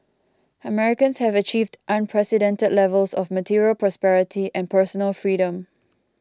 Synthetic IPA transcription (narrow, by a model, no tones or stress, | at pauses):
əmɛɹɪkə̃nshɛvət͡ʃiːvdʔãnpʰɹɛsidɛ̃ntədlɛvəlsɔvmətʰiɹiəlpɹɔspɛɹɪtʰiʔɛ̃npʰəsɔnəlfɹiːɾə̃m